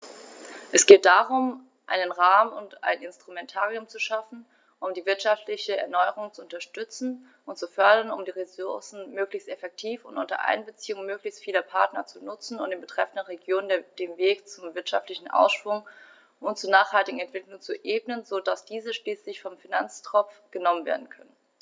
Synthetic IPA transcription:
ʔɛsɡ̥eːt̚d̥aʁʊm | ʔa̰ɪnənʁaːmʊnta̰ɪnɪnstʁ̥umɛntʰaːʁiʊmt͡suʃafn̩ | ʔʊmdiːvɪɐtʃaftlɪçəɛ̰ɐnɔʏəʁ̞ʊŋt͡suʊntɐʃtʏt͡sn̩ | ʔʊntt͡sufœɐdɐnʊ̰mdiːʁesʊɐsn̩møːklɪçstɛfɛk̚tʰiːfʊ̰ntʔʊntɐ̰ʔa̰ɪnbət͡siːʊŋmøːklɪçstfiːlɐpʰaɐtnɐt͡sunʊt͡sn̩ʊntd̥ɪːnbətʁ̥ɛfn̩dənʁeɡjoːnnd̥eːmveːkt͡sʊmvɪɐtʃaftlɪçn̩ʔa̰ʊsʃv̥ʊŋ | ʔʊnt̚t͡suːɐnaːχhaltɪɡŋ̩ɛntv̥ɪklʊŋt͡suʔeːb̚nənzodasd̥iːzəʃliːslɪçfɔmfinant͡stʁ̥ɔp͡fɡ̥ənɔmənvḛːɐdn̩kʰœnən

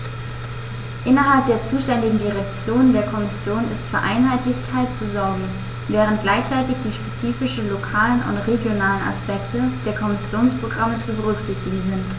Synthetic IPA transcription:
ʔɪnɐɦalp̚d̥eːɐt͡suːʃtɛndɪɡŋ̩diʁ̞ɛk̚t͡sjoːnəndeːɐkʰɔmɪsjoːnɪ̰stfyːɐʔa̰ɪnɦaɪtlɪçtkʰaɪtt͡suzɔɐɡŋ̩ | vɛːʁ̞əntɡ̥laɪçt͡saɪtɪçd̥iːʃpet͡siːfɪʃn̩lokʰaːlənʊ̰ntʁeɡjonaːləna̰spɛktʰəd̥eːɐkʰɔmɪsjoːnspʁ̥oɡʁamət͡subəʁʏkz̥ɪçtɪɡ̩zɪnt

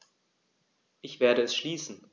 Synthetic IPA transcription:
ʔɪçv̥eːɐɾəɛsʃliːsn̩

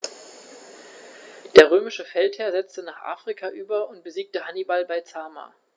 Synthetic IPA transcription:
d̥eːɐʁ̞øːmɪʃəfɛlthɛːɐzɛt͡stənaːχʔa̰ːfʁ̥ikʰaʔyːbɐʊnt̚b̥əziːk̚təhanibalbaɪt͡saːma̰ː

